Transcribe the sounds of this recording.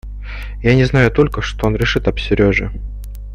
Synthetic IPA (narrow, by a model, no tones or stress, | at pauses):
janʲɪznajʊt̪o̞lʲkəʂt̪oonɾʲɪʂɨt̪ɐpsʲɪɾʲoʐɨ̰